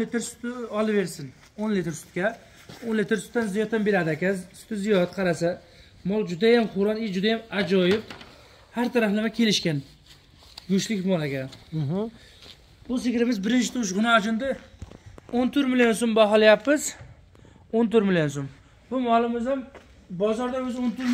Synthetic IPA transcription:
let̪ʰɪɾsʊ̥t̪ɪɒlˠɪbeɾsɪn | onlet̪ɪɾsʊ̥t̪̚kʲa | onlet̪ʰɪɾsʊt̪ʰːanzijɒt̪ʰːambeɾad̪ɪakʲanzsʊ̥t̪ʰɪzijɒt̪qʰɑɾasa | mɒlˠd͡ʒʊd̪ajamχʊɾɒnɪd͡ʒʊd̪ajamad͡ʒɒjɪp̚ | haɾt̪ʰaɾaflɪmakʲʰe̞lɪʃkʲan | ɡʊʃlɪkʲmɒlaɡʲan | bʊs̬ɪkʲɾɪmɪzbɪɾɪnt͡ʃʰɪt̪ʰoʃ̬ʁʊnɪat͡ʃʰɪnd̪ɪ | ont̪ʰʊɾmɪljons̬ombaɦɒlˠajapːɪz | ont̪ʰʊɾmɪljonsom | bʊmɒlˠɪmɪzam | bɒzɒɾd̪aʊzont̪ʊɾ

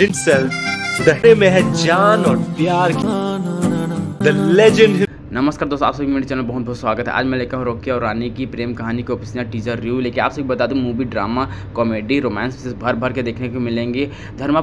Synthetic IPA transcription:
ɪ̃nsɛlfd̪ɐemẽɦɛ̃d͡ʒaːnɔːɾpjaːɾki | d̪ɐled͡ʒə̃ɳɖɦ | nɐməskaːɾd̪oːst̪aːpsekimẽɖit͡ʃəlnabɐɦʊt̪̚bɔɦːt̪swaːɡət̪ɦɛ̰ʔa̰ːd͡ʒmɛ̃lekaɦɾoːkijaɔːɾːaːnikipɾeːmkɐɦaːnikeopɪsaʈiːd͡ʒəɾːjuːleːkɪna̰ːpsekibɐt̪aːd̪ũmuːʋiɖɾaːma | kɔːmeːɖiɾoːmɛ̃ːnssɪsbʱɐɾbʱɐɾked̪eːkʰneomɪlẽːŋɡe | d̪ʱɐɾma

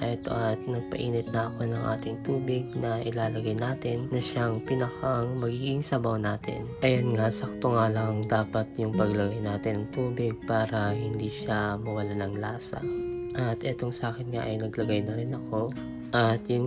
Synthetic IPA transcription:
ʔɛt̪o̰ʔɐt̪̚nɐɡ̚pɐ̰ʔiːnɪt̪̚nɐʔɐko̞nɐŋʔa̰ːt̪ɪŋt̪uːbɪɡ̚nɐʔɪlaːlɐɡajnaːt̪ɪnːɐʃaŋpinɐkɐŋmɐɡiɡɪŋsɐbɐwnaːt̪ɪ̰nʔɐjonŋasɐk̚t̪oŋalɐŋd̪aːpɐt̪jʊŋpɐɡlɐɡajnaːt̪ɪnɐŋt̪uːbɪɡ̚paːɾɐɦɪnd̪iːʃamɐwɐlanɐŋlaːsɐ̰ʔɐt̪ʔɛt̪o̞ŋsɐʔaːkɛnŋaʔɐ̰jnɐɡlɐɡajnɐɾɪnɐko̞ | ʔɐt̪jʊŋ

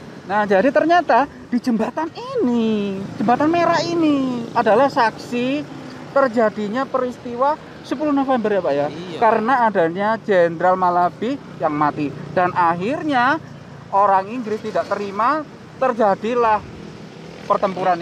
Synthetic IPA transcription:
nahd͡ʒadit̪ərɲat̪a | d̥id͡ʒəmbat̪aninid͡ʒəmbat̪anmeɾainiʔadalahsaksi | t̪ərd͡ʒadiɲapəɾist̪iwa | səpuluhnofembərjapajakaɾənaːdaɲad͡ʒendɾalmalab̥i | jaŋmat̪id̥anʔaɦirɲa | ʔoɾaŋiŋɡɾɪst̪idaʔt̪əɾima | t̪ərd͡ʒadilah | pərt̪əmpuɾan

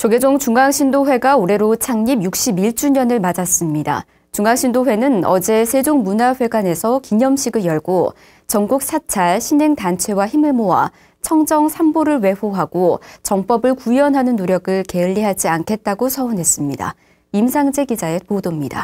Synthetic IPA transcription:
t͡ɕoɡed͡ʑoŋt͡ɕuŋaŋɕʰindoɸwe̞ɡaoɾe̞ɾot͡ɕʰaŋɲibjuk̚ɕ͈ibiɭt͡ɕ͈uɲʌnɯɭmad͡ʑas͈ɯmɲida̰ | t͡ɕuŋaŋɕʰindoɸwe̞nɯnʌ̰d͡ʑe̞sʰe̞d͡ʑoŋmunaɸwe̞ɡane̞sʰʌkiɲʌmɕʰiɡɯɭjʌɭɡo | t͡ɕʌŋɡuk̚s͈ʰat͡ɕʰaɭɕʰinɦe̞ŋtant͡ɕʰwe̞waçimɯɭmowa̰ | t͡ɕʰʌŋd͡ʑʌŋsʰamboɾɯɭwe̞ɸoɦaɡ̥ot͡ɕʌŋp͈ʌbɯɭkuiʌnɦanɯnːoɾjʌɡɯɭke̞ɯʎːiɦad͡ʑiankʰe̞t̚t͈aɡosʰʌunɦe̞s͈ɯmɲida̰ | imsʰaŋd͡ʑe̞ɡid͡ʑae̞podomɲida̰

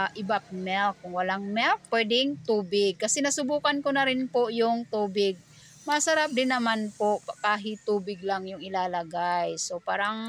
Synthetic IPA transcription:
ʔɪbapmɛlkːʊŋwɐlaŋmɛlk̚pːwɛd̪ɪŋt̪uːbɪɡ̚kɐsɛnɐsʊbuːkankʊnɐɾɪnpʊjʊŋt̪uːbɪɡ̚ | masɐɾap̚d̪ɪnːɐmanpoʔpakaːɦɪt̪uːbɪɡ̚laŋjʊŋɪlalɐɡajsopaːɾaŋ

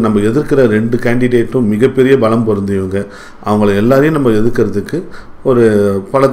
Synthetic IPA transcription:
nɐmːɐɛðɪɾkɪɾɐɾɛɳɖɯkaːɳɖɪɽeːʈːʊ̃mɪɣɐpːɛɾɪjɐbɐlɐmpɔɾɯnd̪ɪjɯŋɡɐ | ʔɐ̰ʋɐŋɡɐɭɯɛlːaːɾɐjɯ̃nɐmːɐɛðɯɾkːɪɾɐðɯkːɯ | ɔɾɯpɐlɐ

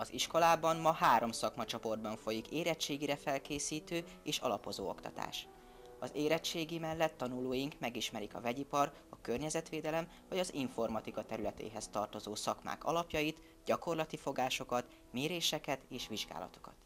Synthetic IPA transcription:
ɒziʃko̞laːbɒmːɒhaːɾo̞msɒkmɒt͡ʃopo̞rd̪bɒɱfo̞jikeːɾɛt͡ʃːeːɡiɾɛfɛlkeːsiːt̪øː | eːʃɒ̰lɒpo̞zo̰ːo̞̰kt̪ɒ̰t̪a̰ːʃ | ɒzeːɾɛt͡ʃːeːɡimɛlːɛt̪ːɒnuloːjiŋkmɛɡiʃmɛɾikɒ̰vɛɟipɒr | ɒkørɲɛzɛt̪ʋeːd̪ɛlɛm | vɒɟɒziɱfo̞rmɒt̪ikɒt̪ɛɾylɛt̪ḛːɦɛst̪ɒrt̪o̞zoːsɒkma̰ːkɒ̰lɒpjɒjit̪ | ɟɒko̞rlɒt̪ifo̞ɡaːʃo̞kɒt̪ | meːɾeːʃɛkɛt̪eːʃʋiʒɡa̰ːlɒ̰t̪o̞̥kɒ̰t̪

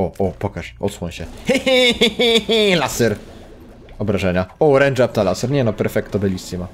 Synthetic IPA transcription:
ɔʔɔpɔkaʂɔt̪swɔɲɕɛ | lasɛɾ | ɔbɾaʐɛɲaɔɾɛnd͡ʒap̚t̪alasɛɾɲɛnɔpɛɾfɛk̚t̪ːɔbɛlʲist̪ima

